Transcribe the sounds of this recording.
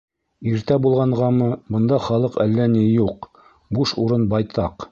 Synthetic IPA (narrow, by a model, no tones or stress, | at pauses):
iɾt̪æbulˠʁɑɴʁɑmɤbɤ̆nd̪ɑχɑlˠɤqælːænijuq | buʃuɾɤnbɑjt̪ɑq